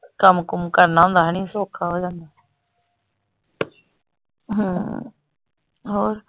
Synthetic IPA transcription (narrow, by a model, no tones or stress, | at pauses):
kəmkʊmkəɾnaːɦũːnd̪aːɦəɽ̃ĩsoːkʰaɦoːd͡ʒãːnd̪aː | ɦũ | ɦoːɾ